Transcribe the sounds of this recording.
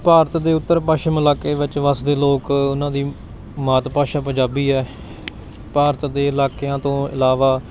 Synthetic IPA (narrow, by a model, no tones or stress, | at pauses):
paːɾət̪d̪eːʊt̪ːəɾpaːʃəməlaːkeːʋɪt͡ʃʋəsd̪eːloːkʊnãːd̪iː | maːt̪paːʃaːpəɲd͡ʒaːbiːɛː | paːɾət̪d̪eːɪlaːkeãːt̪õːɪ̰laːʋaː